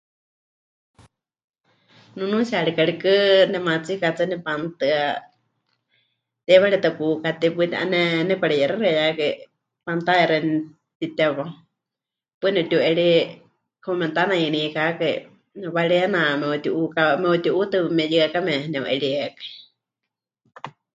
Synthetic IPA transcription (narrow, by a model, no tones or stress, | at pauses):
nunũsiaɺikaɺikɨnɛmat͡sikat͡sɨnɛpant̪ɨa | t̪ɛβaɺit̪ɨpuːkat̪ɛpɨt̪ʔa̰nɛnɛpaɺɛjɛɾaɾɛjakai | pant̪ajɛɾɛn | t̪it̪ɛβa | pɛnɛut̪ʲuʔɛɺi | kʰomɛ̃nt̪anainikakaḭ | nβaɺiɛnamɛut̪iʔukamɛut̪iʔut̪ɨmɛjɨakamɛnɛ̃wʔɛ̰ɺiɛkai